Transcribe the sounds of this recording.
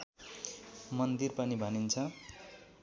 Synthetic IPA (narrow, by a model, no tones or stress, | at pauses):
mʌnd̪irpʌnibʱʌnint͡sʰʌ